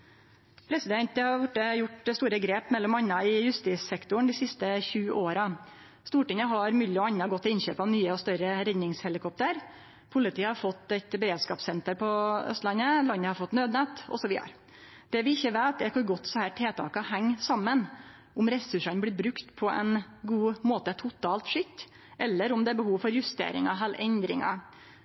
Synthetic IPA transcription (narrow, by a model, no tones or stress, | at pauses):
pʰɾɛsɪd̪ɛnt̪əhɑɾʋʊʈːəjʊʈst̪uːɾəɡɾeːpmɛlːɔmɑnːɑɪjʉst̪iːsɛkt̪ʊɳ̩d̪ɪsɪst̪əçʉːʔoːɾɑ | st̪uːʈɪŋəɦɑɾmʏlɪɔɑɲːɑɡɔt̪ːɪɪnçø̰ːpɑʋnyːəɔst̪œɾəɾɛd̪nɪŋshɛlɪkʰɔp̚t̪əɾ | pʰʊlɪt̪ʰiːhɑɾfɔt̪ːɛt̪bɛɾeːd̪skɑːpsɛnt̪əɾpʰɔœ̰st̪lɑnːəlɑnːəhɑɾfɔt̪ːnøːd̪nɛt̪ɔ̰sɔʋiːd̪ə̰ɾ | d̪̥ɛʋɪɪçːəʋeːt̪̚ɛkʰɑɡɔt̪ːsɔhæːʈʰeːt̪ʰɑ̰ːkɑhæŋːsɑmːən | ʔʊmɾɛsʉʂɑnəblɪbɾʉkt̪pʰɔʔɛ̰n | ɡuːmoːt̪ət̪ʰʊt̪ʰɑːlt̪ʂʏt̪ː | ʔɛlːəɾʊmd̪ɛæːɾbəhuːʋfɔɾjʉst̪ḛːɾɪ̰ŋɑɦælʔɛnd̪ɾɪ̰ŋɑ̰